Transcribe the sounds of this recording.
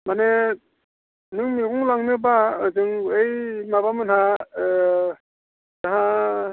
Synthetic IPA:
mane | nɯŋniɡuŋlaŋnɯbaɯzɯŋejmaβamɯnha | daɦa

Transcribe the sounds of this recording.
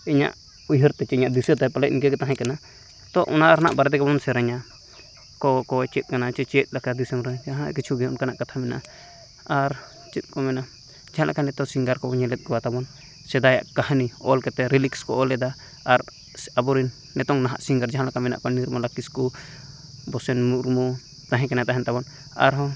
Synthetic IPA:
iɲa̰ʔ | ujɦəɾt̪ɛt͡ʃɛiɲaʔd̪isɛt̪apalɛʔ̪̚inkɛkɛt̪aɦɛ̃kana | t̪ɔʔɔnaʔɾana̰ʔbaɾɛd̪ɛkabɔnsɛɾaɲa | kɔkɔɛt͡ʃɛt̪̚ˀkanat͡ʃɛt͡ʃɛt̪̚ˀlakad̪isɛmɾɛd͡ʒaɦãkit͡ʃʰuɡɛɔnkanaʔkat̪ʰamɛna̰ʔ | aɾ | t͡ʃɛt̪̚ˀkɔmɛna | d͡ʒaɦãlʔa̰kanɛt̪ɔsiŋɡaɾkɔɲɛlɛt̪̚ˀɡɔwat̪abɔn | sɛd̪aja̰ʔkahaniɔlkɛt̪ɛɾilikskɔʔɔlɛd̪aː | ɾ | abɔɾinːɛt̪ɔŋnaɦa̰ʔsiŋɡaɾd͡ʒaɦãlakamɛna̰ʔkɔniɾmalakisku | bɔsɛnmuɾmu | t̪aɦɛ̃kɛnat̪aɦɛnt̪abɔn | a̰ɾɦɔ

